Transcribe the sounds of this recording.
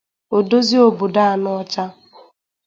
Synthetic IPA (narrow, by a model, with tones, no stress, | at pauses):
o˨do˦zi˦o˨bo˨da˦a˨nɔ˦ɔ˦t͡ʃa˦